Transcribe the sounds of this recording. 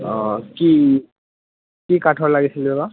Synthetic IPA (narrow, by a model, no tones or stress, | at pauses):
ɔki | kikatʰɔɹlaɡisiliɛba